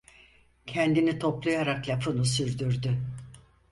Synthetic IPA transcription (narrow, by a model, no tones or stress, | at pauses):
cʰɛnd̪init̪ʰo̞plˠujaɾaklʲapʰɯnusyɾd̪yɾd̪y